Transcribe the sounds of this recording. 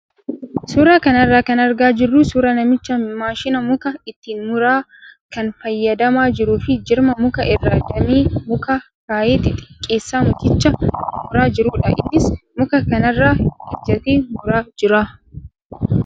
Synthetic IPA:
suːɾaːkɐnɐrːaːkɐnɐɾɡaːd͡ʒɪrːuːsuːɾɐnɐmɪt͡ʃːɐmaːʃɪnɐmʊkɐɪt̪ːiːnmʊɾaː | kɐnfɐjːɐd̪ɐmaːd͡ʒɪɾuːfɪd͡ʒɪɾmɐmʊkɐʔɪrːaːd̪ɐmiːmʊkɐ | ɾaːʔeːt̪ːɪt̪ʼɪ̥kʼːeːsːaːmʊt̪ɪt͡ʃːɐmʊɾaːd͡ʒɪɾuːᶑɐ̰ʔɪ̰nːɪsmʊkɐkɐnɐrːaːɪd͡ʒːɐt̪eːmʊɾaːd͡ʒɪɾaː

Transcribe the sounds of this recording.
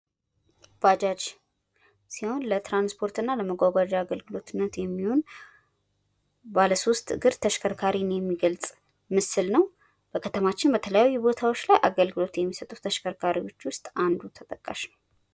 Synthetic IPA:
b̥ad͡ʒad͡ʒ | siho̞nlət̪ɾanspʰo̞ɾt̪ɨnːaləməɡʷaɡʷad͡ʒaɡəlɡɨlo̞t̪ɨnːət̪jɛmːiho̞n | baləso̞st̪ʼɨɡɨɾt̪ʰəʃkʰəɾkʰaɾinjɛmːiɡəlt͡sʼ | mɨsɨlnəw | b̥əkʰət̪ʰəmat͡ʃːɪnbət̪ʰələjajːubo̞t̪ʰawo̞t͡ʃːlajʔaɡəlɡɨlo̞t̪jɛmːisət̪ʼut̪ʰəʃkʰəɾkʰaɾiwo̞t͡ʃːwʊst̪ʼand̪ut̪ʰət̪ʼəkʼːa̰ʃnəw

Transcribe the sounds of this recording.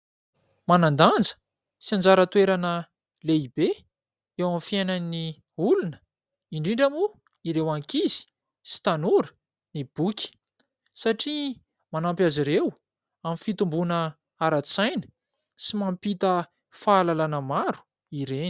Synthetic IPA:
manand̪and͡zə̥ | siand͡zaɾət̪ueɾanə | leibe | ewamfiajnani | ulunə̥ | iɳɖ͡ʐiɳɖ͡ʐamu | iɾewaŋkizi̥ | si̥t̪anuɾə | nib̥ukʲi̥ | saʈ͡ʂi | manampjaziɾew | amfit̪umbunə | aɾat͡sajnə̥ | simampit̪ə | faːlalanəmaɾu̥ | iɾeni̥

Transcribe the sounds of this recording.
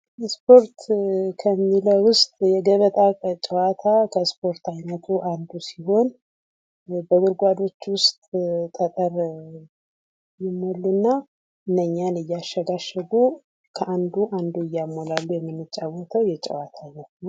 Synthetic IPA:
spʰo̞ɾt̪kʰəmːiləwʊst̪ʼjɛɡəβət̪ʼakʼət͡ʃʼəwat̪ʰakʰəspʰo̞ɾt̪ajnət̪ʰuʔand̪usiho̞n | bəɡʊɾɡʷad̪o̞t͡ʃːwʊst̪ʼt̪ʼət̪ʼəɾ | jɪmːolɨnːa | ʔɨnːəɲːanɨjːaʃːəɡaʃəɡu | kʰəʔand̪uʔand̪uɨjːamːolalːujɛmːɨnːɨt͡ʃʼːawɔt̪ʰəwjɛt͡ʃʼə̰wat̪ʰajnət̪nəw

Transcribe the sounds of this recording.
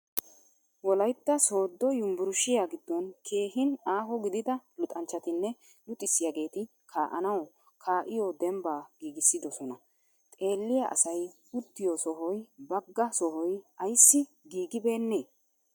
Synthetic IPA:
wɔlɐjt̪ːɐso̞ːd̪ːɔjʊmbʊɾʊʃɪjaːɡɪd̪ːɔnkʰe̞ːɦɪnaːɦɔɡɪd̪ɪd̪ɐlʊt̪ʼɐnt͡ʃːɐt̪ɪnːɛ | lʊt̪ʼːɪsːɪjaɡe̞ːt̪ɪ | kʰaːʔɐnɐw | kʰaːʔɪjɔd̪ɛmbaːɡ̥iːɡɪsːɪd̪ɔsɔnɐ | t̪ʼe̞ːlːɪjaʔɐ̰sɐj | ʊt̪ːɪjɔsɔɦɔjbɐɡːɐsɔɦɔjɐjsːɪ | ɡiːɡɪbe̞ːnːeː

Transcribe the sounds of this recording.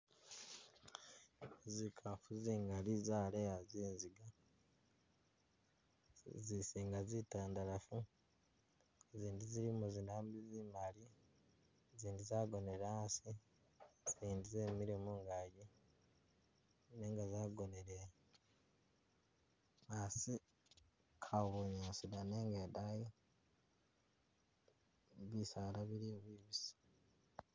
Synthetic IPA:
zikʰafuziːŋɡaɾizaːɾejaziːnziɡa | zisiːŋɡazitaːndaɾafu | eziːndiziɾimuziːndaːmbizimaɾi | ziːndizaːɡo̞neɾansi | siːndizemiɾimuŋɡaɟi | neŋɡazaːɡoneɾe | asi | kʰaβuɲasidaneːŋɡedaje | βisaɾaβiɾioβiβisi̥

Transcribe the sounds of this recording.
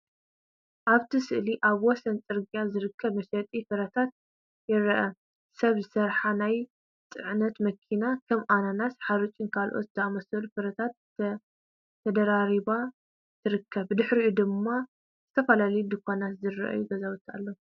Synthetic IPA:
ʔaβt̪ʰɨsɨʔliʔaβwɔsɐnt͡sʼɨɾɡijazɨɾɨkʰːɐβmɐsɐt̪ʼifɨɾɐt̪ʰat̪̚ | jɪɾɐʔɐ | sɐβzɨsɐɾħanaj | t͡s̪ʼɨʕnɐt̪mɐkʰinakʰɐmʔananasħaɾut͡ʃʼɪnkʰalʔo̞̰t̪zɐamɐsɐlufɨɾɐt̪ʰat̪ | t̪ʰɐd̪ɐɾaɾiβa | t̪ʰɨɾɨkʰːɐβɨd̪ɨħɾiud̪ɨmːa | z̥ɨt̪ʰɐfɐlalɐjud̪ɨkʰʷanat̪zɨrɐ̰ʔa̰juɡɐzawt̪ʰa̰lːo

